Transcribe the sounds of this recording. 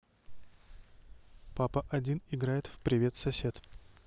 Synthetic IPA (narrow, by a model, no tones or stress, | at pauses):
papəʔɐdʲinɪɡɾajɪt̪fpɾʲɪvʲe̞t̪sɐsʲe̞t̪